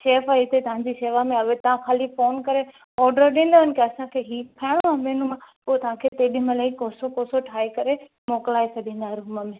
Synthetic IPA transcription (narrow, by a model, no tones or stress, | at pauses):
ʃeːfəɪt̪ʰet̪ɐʋ̤ãɲd͡ʑiʃeːʋamẽɐʋet̪ɐʋ̤ãxaːlifoːnkɐɾe | ɔːɾɖəɾɗĩːn̆d̪əɦənɪ̆kʰeɐsãkʰeɦiːpʰaːɽ̃omãmeːnumãpoːt̪ɐʋ̤ãkʰet̪eːɗiməlaikoːsokoːsoʈʰaːekɐɾe | moːklaːesɐd̪ʱĩːn̆d̪aɦɾuːməmẽ